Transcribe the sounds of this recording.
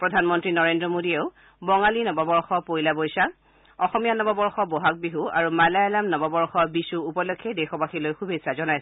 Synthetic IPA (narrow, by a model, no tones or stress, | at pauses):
pɹɔdʱanmɔntɹinɔɹendɹɔmodieʊ | bɔŋalinɔbabɔɹxɔpojlabojsa | ɔxɔmijanɔbabɔɹxɔbɔɦak̚biɦuaɹumalajalamnɔbabɔɹxɔbisuupɔlokʰːɛdexɔbaxilojxubesazɔnajsɔ